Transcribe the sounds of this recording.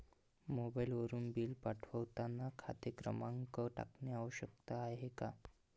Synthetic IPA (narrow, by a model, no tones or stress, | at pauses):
mobailʋəɾuːnbiːlpaʈʰʋəʋt̪anːakʰa̰t̪ekɾə̰mãŋkəʈa̰kneaʋəɕək̚t̪aaɦeka